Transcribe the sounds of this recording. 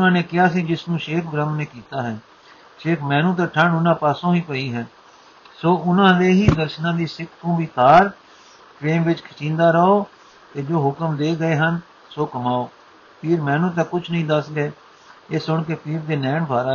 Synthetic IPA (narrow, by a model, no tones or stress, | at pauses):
nãːneːkɪaːsiːd͡ʒɪsnũːʃeːkʰɡɾəmneːkiːt̪aːɦɛː | ʃeːkʰmɛ̃ːnũːt̪̬ãːʈʰəɳʊnãːpaːsõːiːpəiːɦɛː | soːʔʊnãːd̪eːɦiːd̪əɾʃnãːd̪iːsɪkʰt̪ũːʋiːt̪aːɾ | pʰɾeːmʋɪt͡ʃkʰɪt͡ʃĩːnd̪aːɾəoː | t̪eːd͡ʒoːɦʊkəmd̪eːɡəeːɦən | soːkəmaːoː | pʰɪːɾmɛ̃ːnũːt̪̬ãːkʊt͡ʃʰnəɦĩːd̪əsɡeeː | eːsʊɳkepʰiːɾd̪eːnɛːɳbʱaːɾaː